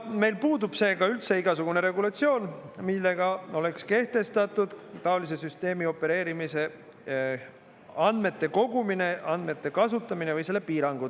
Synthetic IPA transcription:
me̞jlpuːd̪ub̥se̞ːɡɑylt̪se̞iɡ̥ɑsuɡ̥une̞ɾe̞ɡulɑt̪sio̞ːnmilːe̞ɡ̥ɑo̞le̞kske̞ht̪e̞st̪ɑt̪ːˑud̪̥t̪ɑolis̬e̞syst̪e̞ːmio̞pːˑe̞ɾe̞ːɾimise̞ | ɑnd̪me̞t̪ːe̞ko̞ɡumine̞ʔɑnd̪me̞t̪ːe̞kɑsut̪ːˑɑminevɯjse̞lːe̞piːɾɑŋɡ̥u

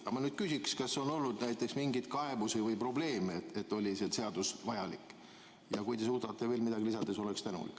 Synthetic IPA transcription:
ɑmɑnyːd̪̥̚kysʲikskɑsːo̞no̞lnud̪̥næjt̪ːˑe̞ksmiŋɡit̪kɑe̞busəvɤjpro̞ble̞ːmeet̪et̪ːˑo̞lʲisese̞ɑd̪̥usvɑjɑlikːˑ | jɑkujt̪e̞suːd̪ɑt̪ˑːe̞ve̞ːlmid̪ɑɡilisɑd̪eso̞lekst̪ænṵlḭk

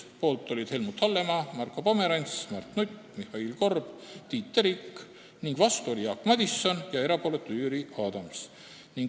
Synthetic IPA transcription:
po̞ːlt̪ːˑolʲid̪̥he̞lmut̪hɑlːe̞mɑmɑrko̞pome̞ɾɑnʲsmɑrt̪nut̪ʲːmihˑɑilko̞rb̥t̪iːt̪ːeɾikː | niŋɡ̥vɑst̪uo̞lʲijɑkːmɑd̪isːo̞njɑe̞ɾɑpo̞let̪ːyːɾiɑd̪̥ɑms | niŋɡ

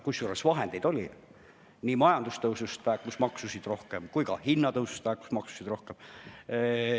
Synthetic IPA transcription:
kujsːuːɾesvɑɦend̪̥ejd̪̥o̞lʲi | nimɑjɑnd̪̥ust̪ɤwsust̪væːkkusmɑksusid̪̥ro̞hkemkujɡ̥ɑ̰hinːɑt̪ɤwsu̥st̪væːkːu̥smɑksu̥sid̥̪ɾo̞hkem

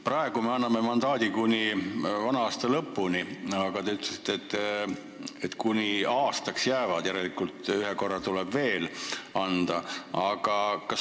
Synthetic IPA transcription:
prɑe̞ɡ̥ume̞ɑnːɑme̞mɑnd̪̥ɑːd̪ikunʲivɑnɑɑːst̪ɑlɤpːuniɑɡ̥ɑt̪e̞yt̪lesi̥t̪ːˑeet̪ːˑ | et̪kunʲiɑːst̪ɑksjæːvɑd̪̥jæɾelikult̪yɦeko̞rːɑt̪ulɛb̥ve̞ːlɑnd̪̥ɑɑɡ̥ɑkɑs

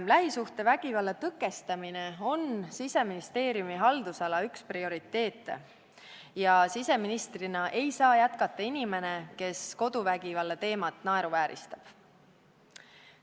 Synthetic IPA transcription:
mlæɦisuht̪e̞væɡ̥ivɑlːe̞t̪ɤkːˑe̞st̪ɑmine̞o̞nsise̞minist̪e̞ːɾjumiɦɑld̪̥usɑlɑyksprio̞ɾit̪ːe̞ːt̪ːˑḛ | jɑsise̞minist̪rinɑʔe̞jsɑːjæt̪kɑt̪ːɑinime̞ne̞ke̞sko̞d̪̥uvæɡivɑlːe̞t̪e̞ːmɑt̪ˑnɑe̞ɾuvæːɾḭst̪ɑ̥b̥

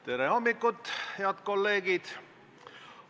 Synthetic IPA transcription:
t̪e̞ɾeomːikːut̪ːhe̞ɑd̪̥ko̞lːe̞ːɡid̪̥

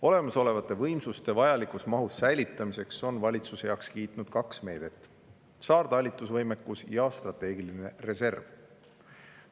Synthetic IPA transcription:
o̞le̞mɑso̞le̞vɑt̪ːˑe̞vɤjmsust̪e̞vɑjɑlikˑusmɑɦusːæjlit̪ːˑɑmise̞kso̞nvɑlʲit̪susejɑːkskiːt̪ˑnud̪̥kɑksme̞ːd̪̥e̞t̪ːˑ | sɑːrd̪̥ɑlʲit̪ːˑusvɤjme̞kːusjɑst̪rɑt̪ːˑe̞ːɡ̥iline̞re̞se̞rv̥

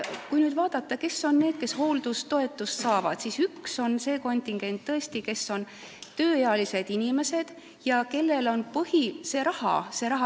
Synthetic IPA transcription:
kujnyːd̪vɑːd̪̥ɑt̪ːˑɑke̞sːo̞nːe̞ːd̪̥̚ke̞sho̞wld̪̥ust̪o̞e̞t̪ːˑust̪sɑːvɑd̪̥sisykso̞nse̞ːko̞nʲt̪ʲiŋɡ̥e̞nʲt̪ːɤ̞e̞st̪ike̞sːo̞n | t̪øːjeɑlise̞d̪̥inʲime̞sed̪̥ | jɑke̞lːe̞lo̞npɤhise̞ɾɑhɑ̰se̞ɾɑɦɑ

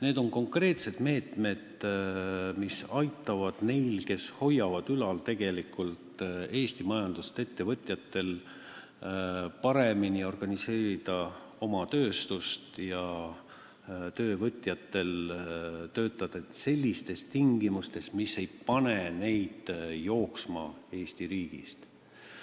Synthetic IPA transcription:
ne̞ːd̪o̞ŋko̞ŋkre̞ːt̪se̞d̪̥me̞ːt̪me̞d̪̥ | misɑjt̪ːˑɑvɑd̪̥ne̞jlke̞sho̞jːɑvɑd̪ylɑlt̪e̞ɡ̥e̞likˑult̪e̞ːst̪imɑjɑnd̪̥ust̪et̪ːe̞vɤt̪ʲˑjɑt̪ːe̞l | pɑɾe̞minio̞rɡ̥ɑnise̞ːɾid̪̥ɑ | o̞mɑt̪ø̞ːst̪ust̪jɑ | t̪ø̞ːvɤt̪ʲˑjɑt̪ːˑe̞l | t̪ø̞ːt̪ːˑɑd̪̥ɑet̪se̞lʲːist̪e̞st̪iŋɡimust̪e̞st̪mise̞jpɑnene̞jd̪̥jo̞ːksmɑ̰e̞ːst̪iɾiːɡ̥ḭst̪

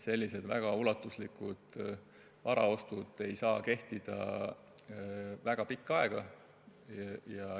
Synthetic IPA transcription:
se̞lʲːise̞d̪̥væ̰ɡ̥ɑulɑt̪ːˑuslikːˑud̪̥ | vɑɾɑ̰o̞st̪ud̪̥e̞jsɑːke̞ht̪id̪̥ɑ̰ | væɡ̥ɑpikˑːɑe̞ɡ̥ɑ | jɑ

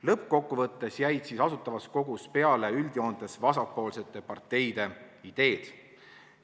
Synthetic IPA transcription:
lɤpko̞kːuvɤt̪ːe̞sjæjd̪̥siːsɑsut̪ːˑɑvɑsko̞ɡ̥uspe̞ɑle̞yld̪̥io̞ːnd̪̥e̞svɑsɑpːˑo̞ːlse̞t̪ːˑe̞pɑrt̪ːe̞jd̪̥e̞ | id̪̥e̞ːd̪̥

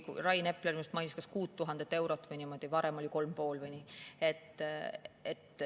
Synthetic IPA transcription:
kṵrɑjne̞pːlermist̪mɑjnʲiskɑskuːt̪ːuɦɑnd̪̥et̪ːe̞wɾo̞t̪ːˑvɯjnimo̞d̪̥ivɑɾe̞mo̞lʲiko̞lmpo̞ːlvɯjnʲiːe̞t̪ː | et̪ː

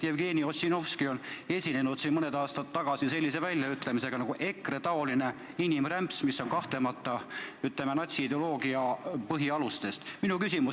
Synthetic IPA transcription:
jevɡe̞ːniosʲino̞fskio̞ne̞sʲine̞nud̪̥sinmɤned̪ɑːst̪ɑt̪ːɑɡ̥ɑsise̞lʲːise̞vælʲjɑyt̪ːˑle̞mise̞ɡ̥ɑnɑɡ̥uʔe̞kre̞t̪ɑo̞line̞ | inimræmpsmisːo̞nkɑht̪le̞mɑt̪ːˑɑyt̪ːlemenɑt̪ʲsiid̪eo̞lo̞ːɡiɑpɤɦiɑlust̪e̞st̪minukysimu

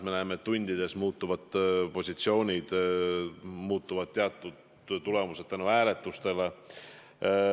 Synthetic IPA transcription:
menæemet̪ːunʲd̪̥id̪e̞smuːt̪ːˑuvɑd̪po̞sʲit̪sio̞ːnʲid̪̥ | muːt̪ːˑuvɑd̪̥̚t̪eɑt̪ːˑud̪̥ | t̪ule̞muse̞d̪̥̚t̪ænuæːle̞t̪ːˑust̪e̞le

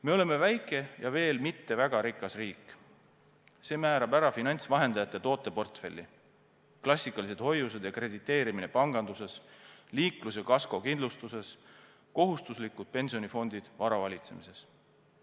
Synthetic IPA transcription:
me̞o̞le̞me̞væjkːˑe̞jɑve̞ːlmit̪ːe̞væɡ̥ɑɾikːˑɑsriːkˑː | se̞ːmæːɾɑbæɾɑfinɑnʲt̪svɑɦe̞nd̪ɑjɑt̪ːˑe̞t̪o̞ːt̪ːˑe̞po̞rt̪fe̞lʲːi | klɑsʲːikːˑɑlis̬e̞d̪̥ho̞jːuse̞d̪jɑkre̞d̪̥it̪ːˑe̞ːɾiminepɑŋɡ̥ɑnd̪use̞sliːklusekɑsko̞kind̪lust̪use̞s | ko̞ɦust̪uslikːud̪̥̚pe̞nʲsio̞nʲifo̞nd̪̥id̪̥vɑɾɑvɑlʲit̪se̞̰mise̞s

